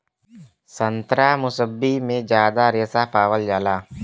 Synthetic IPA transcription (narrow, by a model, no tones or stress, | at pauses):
sənt̪ɾaːmʊsəbːimẽd͡ʒjaːd̪aɾeːsapaːwəld͡ʒaːlaː